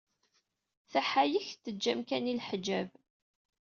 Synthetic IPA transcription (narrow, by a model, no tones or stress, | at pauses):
θæħajəçt̪ːəd͡ʒːæmkænilħd͡ʒæv